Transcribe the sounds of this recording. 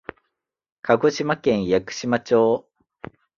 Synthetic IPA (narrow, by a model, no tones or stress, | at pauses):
kʰaɡo̞ɕimakẽ̞ɰ̃jakɯ̟̥ɕimat͡ɕoː